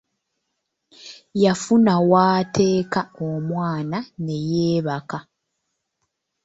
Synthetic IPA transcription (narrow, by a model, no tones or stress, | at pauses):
jafunawaːtʰe̞ːkaomwaːnane̞jeːβaka